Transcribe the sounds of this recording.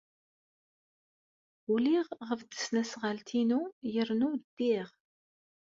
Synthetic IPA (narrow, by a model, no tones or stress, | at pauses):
uliʁʁəfd̪ə̥snæsʁəlt̪ʰinujəɾnud̪̥ːiʁ